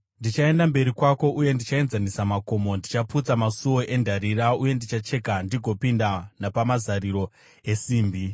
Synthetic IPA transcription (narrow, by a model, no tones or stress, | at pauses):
ndit͡ʃae̞ndambe̞ɾikwako̞ʔuje̞ndit͡ʃae̞nzanisamako̞mo̞ndit͡ʃaput͡samasuwo̞ʔe̞ndʱaɾiɾauje̞ndit͡ʃat͡ʃe̞kandiɡʱo̞pindanapamazaɾiɾo̞ | e̞siːmbi